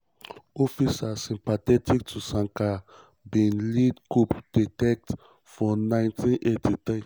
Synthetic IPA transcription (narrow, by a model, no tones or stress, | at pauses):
ɔfisasĩmpatɛtik̚tʰusãŋka | bĩnlidkupd̥itɛk̚t | fɔnãɪ̃ntĩnʔetʰit̪ɾi